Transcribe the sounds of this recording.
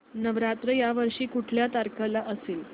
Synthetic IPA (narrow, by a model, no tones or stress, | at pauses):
nəʋɾat̪ɾəjaʋəɾʂiːkuʈʰljat̪aɾkʰəlaʔəseːl